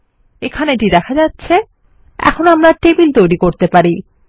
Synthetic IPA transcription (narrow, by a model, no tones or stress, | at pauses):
ekʰaneeʈid̪ɛkʰad͡ʑatːɕʰe | ɛ̰kʰonoamɾaʈebilt̪ojɾikoɾt̪epaɾi